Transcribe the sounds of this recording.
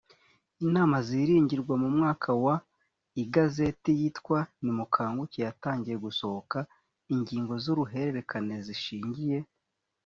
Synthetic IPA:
inaːmaziɾiːɲɟiɾɡwamumŋaːkʰawa | iɡaze̞tijitkwanimukʰaːŋɡucejataːɲɟije̞ɡuso̞hoka | iɲɟiːŋɡo̞zuɾuɦe̞ɾeɾe̞kʰane̞ziʃiːɲɟije̞

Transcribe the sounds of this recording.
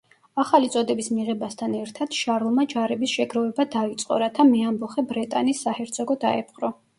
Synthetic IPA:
aχalit̪sʼɔd̪ɛbismiʁɛbast̪ʰanɛɾt̪ʰad̪̥ʃaɾlˠmad͡ʒaɾɛbisʃɛɡɾɔvɛbad̪ait̪sʼqʼɔ̰ɾat̪ʰamiambɔχɛbɾɛt̪ʼa̰nisːahɛɾt̪sʰʼɔɡɔd̪aɛpʰχɾɔ

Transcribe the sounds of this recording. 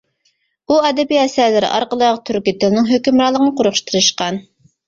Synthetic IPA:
uɛd̪ɛbiɛsɛlːɪɾɪ̰ʔɑ̰ɾqəlˠɑːʁɑt̪ʰyɾkʲit̪ɪlnɪŋɦøkʲymɾɑːlˠəqənəqʰoɾχʃt̪ʰɨɾɨʃqɑn

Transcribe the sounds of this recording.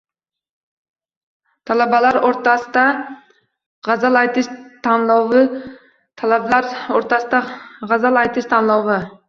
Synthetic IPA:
t̪ʰɑlˠɑbɑlˠɑɾoɾt̪ɑsɨ̥d̪ɑ | ʁɑzɑlˠɑjt̪ʰɨʃt̪ʰɑnlˠɑwʁɨ | t̪ʰɑlˠɑblˠɑɾoɾt̪ɑsɨd̪ɑʁɑzɑlˠɑjt̪ʰɨʃt̪ʰɑnlˠɑwʁɑ

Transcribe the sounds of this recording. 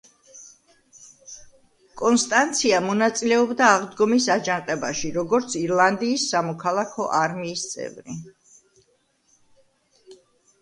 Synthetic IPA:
kʼɔnst̪ʼant̪sʰiamɔnat̪sʼilɛɔbd̪aːʁd̪ɡɔmisad͡ʒaŋqʼɛbaʃiɾɔɡɔɾt̪sʰiɾlˠand̪iːsːamɔkʰalˠakʰɔʔaɾmiːst̪sʼɛ̰vɾḭ

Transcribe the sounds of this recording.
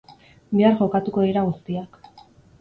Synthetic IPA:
beaɾʝo̞kat̪uko̞iɾaɣust̪iak

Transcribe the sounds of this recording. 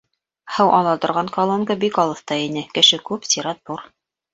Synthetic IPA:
hɤwʔɑlˠɑt̪ŏɾʁɑŋkalˠomkəbikɑlˠɤ̆θt̪ɑinɘkɘ̆ʃɘkʉpsʲiɾɑt̪̚buɾ

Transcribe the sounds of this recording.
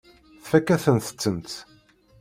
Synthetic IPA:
θfækːæθənt̪ə̥t͡sːənt̪

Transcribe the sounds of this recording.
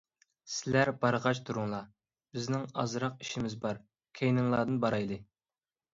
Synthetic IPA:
sɪlæɾbɑɾʁɑt͡ʃt̪ʰuɾuŋlˠɑ | b̥ɪznɪŋɑ̰zɾɑq̚iʃimɪzbɑɾ | kʲʰejnɨŋlˠɑːd̪ɨnbɑɾɑjd̪ɨ

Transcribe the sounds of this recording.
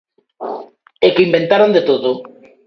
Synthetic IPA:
ekeimbent̪aɾond̪et̪oðo

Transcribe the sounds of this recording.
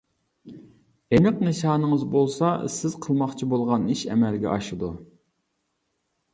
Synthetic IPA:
enɨqnɨʃɑːnəŋəzbolˠsɑsɪz̥qʰəlˠmɑχt͡ʃʰibolˠʁɑniʃɛ̰mɛlɡʲɛ̰ʔɑʃɨd̪u

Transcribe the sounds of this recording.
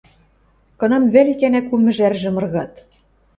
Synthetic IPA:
kɤ̆nɤ̆mβælikænækumɘ̆ʒærʒɘ̆mɤ̆rɣɑt̪

